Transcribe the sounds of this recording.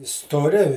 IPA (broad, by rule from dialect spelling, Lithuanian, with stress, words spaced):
stoːˈrʲɪ